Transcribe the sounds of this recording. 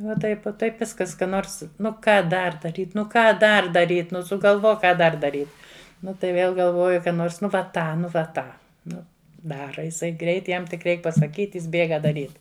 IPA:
ʋɐ ˈtɐɪp uɔ ˈtɐɪp ˈʋʲɪskɐs ˈkɐ ˈnoːrs ˈnʊ ˈkɑː ˈdɐr dɐˈrʲiːt ˈnʊ ˈkɑː ˈdɐr dɐˈrʲiːt ˈnʊ sʊɡɐlˠˈʋoːk ˈkɑː ˈdɐr dɐˈrʲiːt ˈnʊ tɐɪ ˈʋʲeːlˠ ɡɐlˠˈʋoːjʊ ˈnoːrs ˈnʊ ʋɐ ˈtɑː ˈnʊ ʋɐ ˈtɑː ˈnʊ ˈdɑːrɐ ɪˈsɐɪ ɡrʲɛɪt ˈjɛm tʲɪk ˈrʲɛɪk pɐsɐˈkʲiːtʲ ˈjɪs ˈbʲeːɡɐ dɐˈrʲiːt

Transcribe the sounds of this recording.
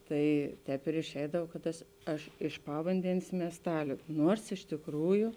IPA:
ˈtɐɪ ˈtʲɛːp ɪr ɪʃʲˈɛɪdɐw kɐt ˈtɐs ˈɐʃ ɪʃ ˈpɑːʋɐnʲdʲɛnʲeːs mʲiɛsˈtɑːlʲʊ ˈnuɔrs ɪʃ tʲɪkˈruːjʊ

